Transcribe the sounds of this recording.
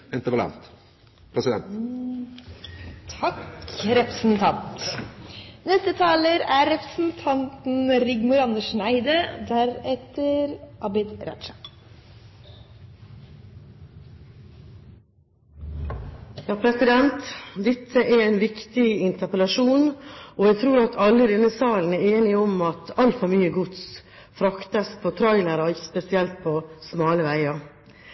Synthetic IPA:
ɛnt̪əpəlɑ̰nt̪ | pʰɾɛsɪd̪ɛ̰nt̪ | t̪ʰɑkɾɛpɾəsn̩t̪ʰɑnt̪ | nɛst̪ət̪ʰɑːləɾæɾɾɛpɾə̥sn̩t̪ʰɑnt̪n̩ɾɪɡmʊɾɑnd̪əʂnæɪd̪əd̪æɾɛt̪əɾʔɑbɪd̪ɾʔɑ̰t͡ʃɑ | jɑːpʰɾɛsɪd̪ɛnt̪d̪ɛt̪ʰːəʔɛɾæɪnʋɪkt̪ɪɪnt̪əpəlɑʂuːnɔæɡt̪ʰɾuːɾɑt̪ʰɑlːəd̪ɛnːəsɑːln̩æɾeːnɪɔmɑt̪ɑlt̪fɔɾmyːəɡʊt̪s | fɾɑkt̪əspʰɔt̪ʰɾɔɪləɾɔɪç̥spɛsɪɛlt̪̚pʰɔsmɑːləʋæɪɑ

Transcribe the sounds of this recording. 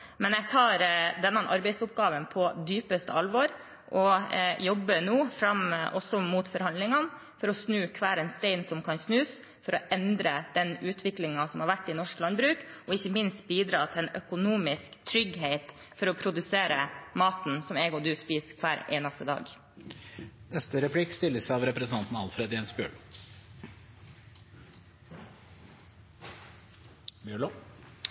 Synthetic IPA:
mɛnjɛɡ̚t̪ʰɑːɾd̪ɛnːɑnʔɑɾbɛɪsʊpɡɑːʋənpʰɔd̪yːpəst̪əɑlʋɔɾ | ʔɔjɔbːənuːfɾɑmʔɔsɔmuːt̪fɔɾhɑnd̪lɪŋɑn | fɔɾɔsnʉːkʰʋæːɾɛnst̪eɪnsɔmkʰɑnsnʉːs | fɔɾɔʔɛnd̪ɾəd̪̥ɛnʉːt̪ʰʋɪklɪŋɑsɔmhɑɾʋæʈːɪnɔʂklɑnbɾʉːkʔɔɪçːəmɪnst̪̚biːd̪ɾɑːt̪ʰɪlɛnœkʊnuːmɪskt̪ʰɾʏɡɦeɪt̪ | fɔɾɔpʰɾʊd̪ʉseːɾəmɑːt̪n̩sɔmeːɡɔd̪ʉːspiːskʰʋæːɾḛːnɑst̪əd̪ɑ̰ːɡ | nɛst̪əɾɛpʰlɪkst̪ɪlːəsæɑʋɾɛpɾɛsn̩t̪ɑnt̪n̩ɑlfɾed̪ɛːnsbjø̰ːɭ | bjøːɭo

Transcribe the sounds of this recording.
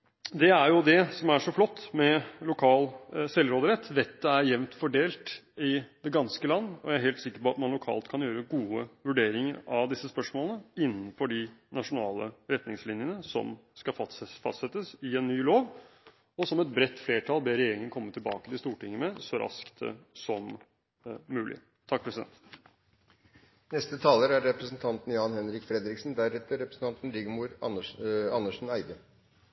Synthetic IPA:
d̪ɛæɾjʊd̪ɛsɔmæʂɔflɔt̪ːmɛlʊkʰɑːlsɛlːɾoːd̪əɾɛt̪ːʋɛt̪ːəæɾjɛʋnt̪fɔɖeːlt̪ɪd̪ɛɡɑnskəlɑnːəɔ̰jææɾɦɛːlt̪sɪkːəɾpɔɑt̪mɑnlʊkʰɑ̰ːlt̪kʰɑnjøːɾəɡuːəʋʉɖeːɾɪŋəɾɑʋd̪ɪsːəspœʂmoːlənəɪnːənfɔɖɪnɑʂʊnɑːlə̰ɾɛt̪nɪŋslɪnjənəsɔ̰mskɑfɑfɑ̰st̪sɛt̪ːəsɪɛnːyːloːʋ | ɔsɔmɛt̪̚bɾɛt̪ːfleːʈʰɑlbeːɾɛjeːɾɪŋənkʰɔmːət̪ʰɪlbɑ̰ːkət̪ɪst̪uːʈɪŋːəmɛsɔɾʔɑ̰skt̪əsɔmː | ʉːlʔɪ̰ | t̪ʰːɑk̚pʰɾɛsɪd̪ɛ̰nt̪ | nɛst̪ət̪ʰɑːləɾæɾːɛpɾəsnt̪ʰɑnt̪n̩jɑːnhɛnɾɪkfɾɛd̪ɾɪksn̩d̪æɾɛt̪ːəɾɛpɾəsn̩t̪ɑnt̪n̩ɾɪɡəmuːɾɑɑnːəʂn̩æɪd̪ə

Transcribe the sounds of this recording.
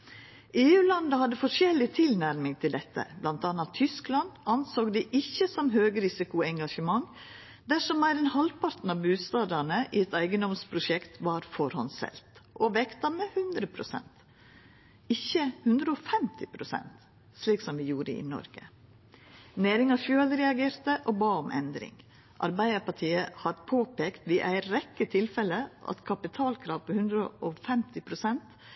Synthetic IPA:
ʔeːʉːlɑnd̪əhɑd̪ːəfɔʂɛlːɪt̪ʰɪlnæɾmɪŋt̪ʰɪld̪ɛt̪ʰːə̰blɑnt̪ɑːnɑt̪ʰːʏsklɑnd̪ɑnsoːkd̪iʔɪçːəsɔmɦøːɡəɾɪsɪkʊɛŋɡɑʂəmɑŋ | d̪æʂɔmæːɾɛnhɑlpʰɑɾt̪n̩ɑʋbʉːst̪ɑːd̪ɑɳəʔɪɛt̪æɪɡənd̪ɔmspʰɾʊʂɛkt̪ʋɑɾfɔɾhɔnsɛ̰lt̪ʔɔʋɛkt̪ɑmɛhʉnd̪ɾəpʰɾʊsɛ̰nt̪ | ɪçːəhʉnd̪ɾəɔfɛmt̪ʰɪpʰɾʊsɛ̰nt̪ | ʂliːksɔmʋɪjuːɾə̰ɪ̰nɔ̰ɾɡə | neːɾɪŋɑfjøːlɾɛɑɡeːɾt̪əʔɔːbɑːɔmʔɛ̰nd̪ɾɪ̰ŋ | ʔɑɾbæɪd̪əɾpɑʈʰiːəhɑd̪pʰoːpeːkt̪ʋiʔæɪɾɛkːət̪ʰɪlfɛləʔɑ̰t̪kʰɑpɪt̪ʰɑːlkʰɾɑːʋpʰɔhʉnd̪ɾəʔɔfɛmt̪ɪpʰɾʊsɛnt̪

